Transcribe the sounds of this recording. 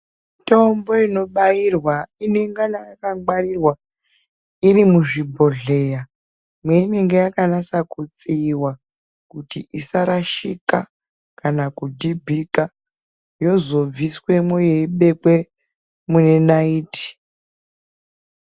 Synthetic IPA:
to̞mbo̞ino̞ɓairwaine̞ŋɡanajakaɡ͡baɾirwa | iɾimuʐibʱo̞ɮe̞ja | mweine̞ŋɡejakanasakut͡siːwa | kutiʔisaɾaʃika | kanakudibʱika | jo̞zo̞viswe̞mojeiɓe̞kwe̞ | mune̞naiːti̥

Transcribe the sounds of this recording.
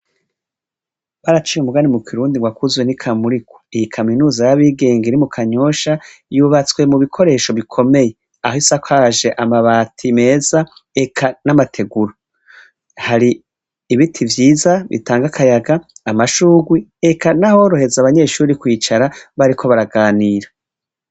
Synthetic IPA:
βaɾat͡ʃiːumuɡanimukiɾuːndiŋɡwakuzwenikʰamuɾiko̥ijikʰaminuːzajaβiːɡe̞ːŋɡeɾimukʰaɲo̞ʃajuβat͡swe̞muβikʰo̞ɾe̞ːʃo̞βikʰo̞me̞je̞ | a̰ɦisakʷaʒe̞ʔamaβaːtʰime̞ːz̥aekʰanamatʰe̞ɡuɾo | haɾiː | βitʰivjiːzaβḭtaːŋɡakʰajaɡaːmaʃuːɡwiekʰanaho̞ɾo̞he̞zaːβaɲe̞ʃuːɾikwiːt͡ʃaɾaβaɾikʰo̞βaɾaɡaːniːɾa

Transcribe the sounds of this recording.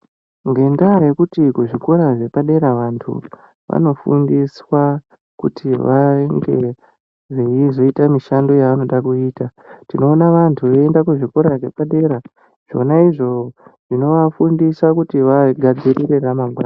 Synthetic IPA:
ŋɡe̞ndaje̞kutikuʐiko̞ɾaʐe̞paɗe̞ɾaʋantʰṵ | ʋa̰no̞fṵndiswa | kutʰiʋaŋɡe̞ | ʐiizo̞itamiʃando̞jaʋano̞ɗakuiːtatino̞ːnaʋantʰuʋe̞endakuʐiko̞ɾaʐe̞paɗe̞ɾa | ʐ̥o̞̰naiʐo̞ʐ̥ino̞ʋafundiswakutiʋaɡʱad͡ziɾiɾe̞ramaŋɡwaːn

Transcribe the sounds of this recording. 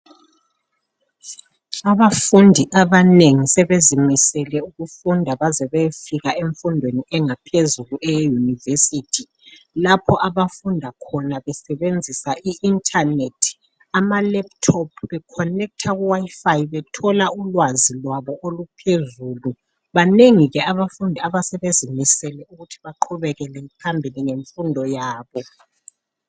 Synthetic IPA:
aβafundʱiʔaβaneŋisɛβezimisɛlɛuɣufundʱaβazɛβejfiɣaʔeɱfundʱweniɛŋapʰezuluʔɛjejunivesitʰi | lapʰɔʔaβafundʱakʰɔnaβɛsɛβend͡zʱisaʔiintʰʼanetʰi̥ | amalɛp̚tʰɔpʰβɛkʰɔnɛk̚tʰaɣuwajifajiβɛtʰɔlaulwazilwaβɔʔolupʰezuːlu | βaneŋiɣɛaβafundʱiaβasɛβezʱimisɛlɛuɣutʰi̥βaǃʰuβɛɣɛlɛpʰambʱiliŋeɱfundʱɔjaːβɔ

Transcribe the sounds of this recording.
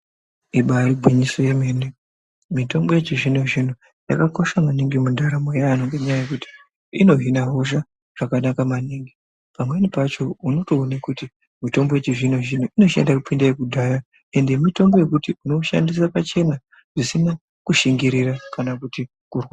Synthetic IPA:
iɓaɾiɡʱwiɲiso̞jemeːne | mito̞mbo̞jet͡ʃeʐinoʐin̤u | jakako̞ʃamaniŋɡemundaɾamojaːnoŋɡe̞ɲajajekuti̥ | ino̞ɦinaɦo̞ʃa | ʐ̥akanakamaniːŋɡi | pamwenipat͡ʃo̞uno̞to̞ːnekuti | mito̞mbo̞jet͡ʃeʐin̤oʐin̤uʔino̞ʃḛndakupindaekudʱaja | e̞ndemito̞mbo̞je̞kutiuno̞ʃa̰ndisapat͡ʃe̞na | ʐisina | kuʃiŋɡiɾirakanakuti | kurwa

